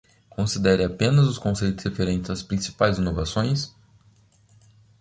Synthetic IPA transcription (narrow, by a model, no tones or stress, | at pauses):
kõsid̪ɛɾɪapẽnɐzʊskõsejt̪ʊshefeɾẽnt͡ʃɪzɐspɾĩsi̥pajzinovasõj̃s